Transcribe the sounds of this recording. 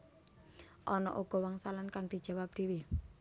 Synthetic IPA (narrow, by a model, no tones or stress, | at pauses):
ʔɔnɔ̰ʔuɡ̥ɔ̤waŋsalankaŋd̪̥i̤d̥d͡ʒ̥a̤wap̚d̥e̤wi